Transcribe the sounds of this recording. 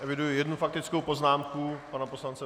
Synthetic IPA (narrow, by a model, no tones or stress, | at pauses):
ʔɛvɪdujʊjɛdnufak̚t̪ɪt͡skowpo̞znaːmkupanaposlant͡sɛ